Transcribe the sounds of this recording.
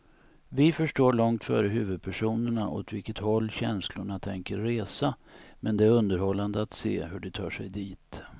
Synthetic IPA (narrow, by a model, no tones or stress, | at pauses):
vɪfœʂʈoːɭɔŋt̪fœ̰ːɾəɦʉ̟ːvɵd̪̚pʰæʂuːnəɳaʔɔ̰t̪vɪlkət̪hɔlːɕɛnslʊɳat̪ʰɛŋkəɾːeːsamɛnd̪ɛæɾɵnd̪əɾhɔlːand̪əat̪sḛːhɵɖɛt̪ʰɑ̰ːʂɛjd̪iːt̪